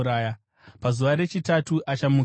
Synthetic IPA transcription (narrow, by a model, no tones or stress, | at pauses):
ɾaːja | pazuʋaɾe̞t͡ʃitatuʔat͡ʃamu